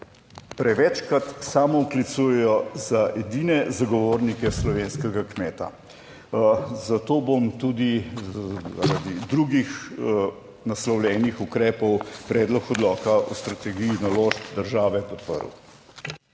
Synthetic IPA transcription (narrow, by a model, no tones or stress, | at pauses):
pɾɛʋɛt͡ʃkɾat̪saːmɔuklit̪sujɛjɔzaʔɛd̪inɛzaɡɔʋoːɾnikɛslɔʋeːnskɛɡakmeːt̪a̰ | zat̪oːbomt̪ud̪i | za̰ɾad̪id̪ɾuɡix | naslɔwlʲɛːnixukɾɛːpɔwpɾɛːd̪lɔkɔd̪lɔːkaʔɔst̪ɾat̪ɛɡijinaloːʃpd̪əɾʒaːʋɛpɔt̪pə̰ɾw